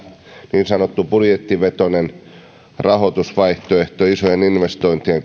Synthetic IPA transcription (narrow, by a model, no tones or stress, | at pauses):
niːnsɑnot̪ːupurjet̪ːiʋet̪onen | rɑhot̪usʋɑiht̪oeht̪oisojeninʋest̪oint̪ieŋ